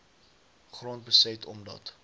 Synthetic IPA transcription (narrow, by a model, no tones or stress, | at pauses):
χruənt̚bəsɛtʰɔmdɐ̰t